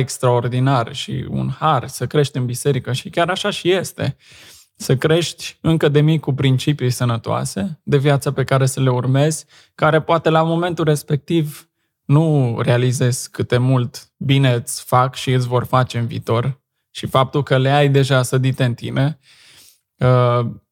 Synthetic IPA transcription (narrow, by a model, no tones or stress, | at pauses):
ekst̪ɾao̞rd̪inarʃḭṵnharsəkɾe̞ʃt̪ʲɨnbise̞ɾikəʃikʲaɾaʃaʃije̞st̪e̞̰ | səkɾe̞ʃt̪ʲɨŋkəd̪e̞mikupɾint͡ʃipjujsənət̪oa̰se̞d̪e̞vjat̪səpe̞kaɾe̞səle̞urme̞z̥ʲ | kaɾe̞poat̪e̞lamo̞me̞nt̪ulre̞spe̞k̚t̪iv | nure̞alize̞z̥ʲkɨt̪e̞mult̪ | bine̞ɨt̪sʲfakʃiɨt̪s̬ʲvo̞rfat͡ʃe̞ɨnvḭːt̪o̞r | ʃifap̚t̪ulkəleajd̪e̞ʒasəd̪it̪e̞ɨnt̪ḭne̞ | ə